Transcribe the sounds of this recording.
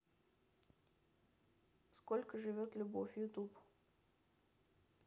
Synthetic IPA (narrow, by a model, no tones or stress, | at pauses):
skolʲkəʐɨvʲot̪lʲʊbofʲjʊt̪up